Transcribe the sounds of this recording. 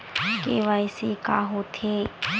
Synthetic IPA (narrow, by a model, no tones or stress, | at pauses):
keʋaisekaːɦot̪ʰe